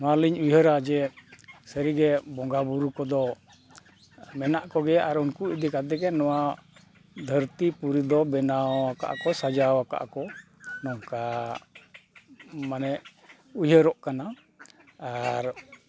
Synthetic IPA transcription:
maliɲujɦəɾad͡ʒɛsəɾiɡɛbɔŋɡabuɾukɔd̪ɔ | mɛnaʔkɔɡɛaɾunkuid̪ikad̪ɛɡɛnɔwa | d̪ʱəɾt̪ipuɾid̪ɔbɛnaaka̰ʔakɔsad͡ʒaɔaka̰ʔa̰kɔ | nɔwka | manɛ | ujɦəɾɔʔkana | aɾ

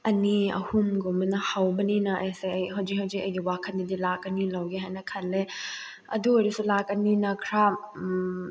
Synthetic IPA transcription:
ɐniɐ̰humɡumbɐnɐhawbɐninɐʔɐjseɐjɦɐwzikɦawzikɐjɡiwakʰɐndidilakɐnilɐwɡeɦajnɐkʰɐlːe | ɐduoɾisulakɐninɐkʰɾa

